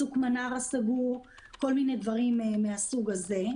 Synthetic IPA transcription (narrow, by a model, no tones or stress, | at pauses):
ukmanaʁasaɡu | ko̞lminedvaʁimmeasuɡaze̞